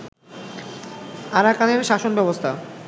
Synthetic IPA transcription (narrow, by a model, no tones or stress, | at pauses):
aɾakaneɾʃaʃonbɛbost̪ʰa